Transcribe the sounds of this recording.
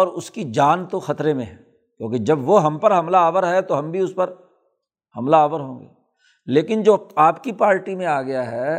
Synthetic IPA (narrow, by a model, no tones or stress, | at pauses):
ɔːɾʊskid͡ʒaːnt̪oxɐt̪ɾemẽɦɛː | kjõːkid͡ʒɐbʋoɦɐmpɐɾɦɐmlaaːʋəɾɦɛt̪oɦɐmbʱiʊspɐɾ | hɐmlaaːʋəɾɦõːŋɡḛː | leːkɪnd͡ʒoːaːpkipaːɾʈimẽaːɡɐjaɦɛː